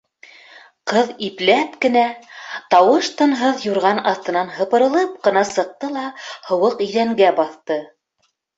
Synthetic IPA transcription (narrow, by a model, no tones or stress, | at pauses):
qɤðiplæpkɘ̆næt̪ɑwɤʃt̪ɤ̆nɦɤðjuɾʁɑnɑθt̪ɤ̆nɑnɦɤ̆pɤ̆ɾɤ̆lˠɤp̚qɤ̆nɑsɤ̆q̚t̪ɤlˠɑhŏwɤqɵ̆jðæŋɡæbɑθt̪ɤ